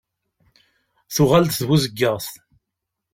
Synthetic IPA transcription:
θʊʁalt̪θwuzəɡːəʁθ

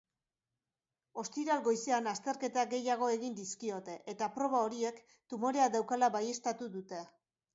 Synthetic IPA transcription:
o̞st̪iɾalɡo̞jseanast̪e̞ɾke̞t̪aɡe̞jaɣ̞o̞e̞ɣind̪iskio̞t̪e̞ʔet̪apɾo̞β̞ao̞ɾie̞k | t̪umo̞ɾe̞aðawkalaβaje̞st̪at̪uðut̪e̞

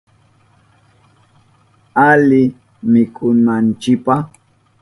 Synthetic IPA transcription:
alɪ | mɪkʰʊmant͡ʃɪkpaχ

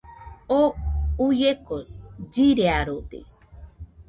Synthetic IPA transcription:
oujekod͡ʒiɾeaɾod̪ḛ

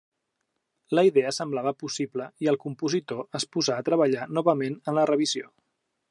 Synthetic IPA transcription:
ləiðɛəsəmblaβəpusipləiəlˠkumpuzit̪oəspuzaːt̪ɾəβəʎanɔβəmenənlərəβizio

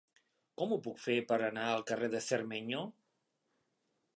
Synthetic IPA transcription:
kɔmupukfepəɾənaəlˠkəreðəsəɾmeɲo

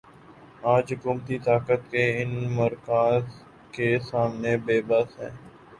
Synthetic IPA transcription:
aːd͡ʒɦʊkuːmt̪it̪aːkət̪keɪnməɾkaːz | kesaːmnebeːbəsɦɛ̰̃ː

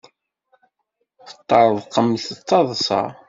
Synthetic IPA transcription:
fə̥t̪ˤːɑɾˤəðˤqːəmːθət͡sːɑðˤsɑ̰

